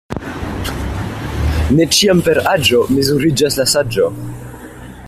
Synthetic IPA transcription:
ne̞t͡ʃiampe̞ɾad͡ʒo̞mizuɾid͡ʒaslasad͡ʒo

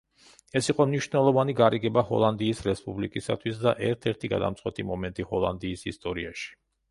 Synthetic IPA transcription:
ɛsiqʼɔmniʃvnɛlˠɔvaniɡaɾiɡɛbahɔ̰lˠand̪iːsɾɛspʼublikʼisat̪ʰwisd̪aʔɛɾt̪ʰɛɾt̪ʰiɡa̰d̪a̰mt̪sʼqwɛt̪ʼimɔmɛnt̪ʼihɔlˠa̰nd̪iːsist̪ʼɔɾiaʃi̥

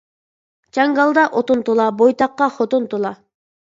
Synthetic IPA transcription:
t͡ʃʰɑŋɡɑlˠd̪ɑʔot̪ʊnt̪olˠɑbojt̪ɑqːɑχot̪unt̪olˠɑ

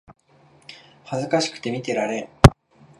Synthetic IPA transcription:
hazɨkaɕi̥kɯ̟̥t̪e̞mʲit̪e̞ɾaɾe̞ɾ

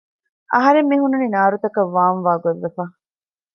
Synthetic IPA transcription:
ʔɐɦɐɾemːiɦunːuninaːɾut̪ɐkɐʋːaːnʋaːɡoʋːefaː

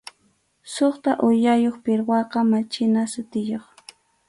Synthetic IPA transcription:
soχt̪aʔʊʎajoχpɪɾwɑqɑmat͡ʃɪnasʊt̪ɪjoχ

